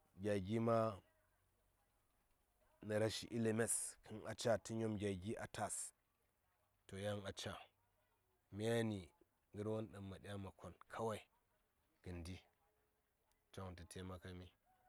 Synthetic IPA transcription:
ɡʲa˨ɡʲi˦ma˦ | na˨ɾa˦ʃi˨ʔi˦le˨me˦skʰi˦na̰˨t͡ʃa˦ti˦ɲo˦mɡʲa˨ɡi˦ʔa˨ta˨s | to˨ja˦ŋa˨t͡ʃa˨ | mi˦ja˦ni˨ | ŋɡə˦ɾwo˦nɗa˨mːa˨ɗi˦a˦ma˨kʰo˨nkʰa˦wa˦i˨ | ɡ̥ɨ˨ndi˦ | t͡ʃa˦ŋ˨nti˨tʰe˦ma˦ka˦mi˦

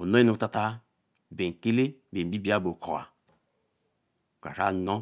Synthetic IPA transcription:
o˨no˦i˦nu˨˦ta˦ta˦ | be˨ŋ̩˨ke˦le˦be˨i˦bi˨˦a˦bo˨kʰo˨a̰˨ | kʷa̰˨ɾa̰˦no˦

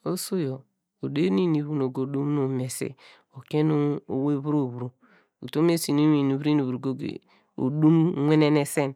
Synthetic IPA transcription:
o˦so˦jo˨ | o˨de˦ni˦ni˨βu˨no˨ɡo˨du˦m˦no˨me˨sḛ˦ | o˨ke˦nu˦o˨we˦βu˦ɾo˦˨βɾo˨ | ṵ˨to˦me˦si˨nu˦mi˨nu˨βɾi˦nu˨βɾo˨ɡo˦ɡḛ˨ | o̰˨du˦mŋʷe˦ne˦ne˦˨se˦n

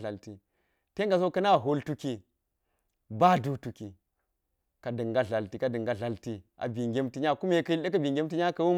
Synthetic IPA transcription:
a˨lti˨ | te˦ŋ˦ɡa˨s̬o˦kɐ˦na˦˨ɦo˨ltu˦ki˨ | ba˦du˨tu˨ki˨ | ka˨dɨ˨ŋɡa˨ɮa˨lti˨ka˨dɨ˨ŋɡa˨ɮa˨lti˨a̰˨bi˨ŋɡʲe˦mti˦ɲa˦˨ku˦me˦kɐ˦i˦lɗa˦kɐ˦bi˨ŋɡʲe˦mti˦ɲa˦kɐ˦wu˦m

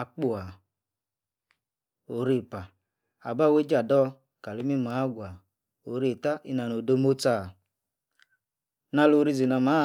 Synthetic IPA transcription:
a˨k͡pu˨a˨ | o˨˦ɾi˦˨pa˨ | a̰˨ba˦˨we˦d͡ʒa˨dɔ˦ | ka˨li˦mi˦ma˨˦ɡʷa˨ | o˨ɾi˦˨ta˦ʔi˦na˨no˨do˦mo˦ta˦˨ | na˧˨lo˨˦ɾi˦zi˨na˨ma˦

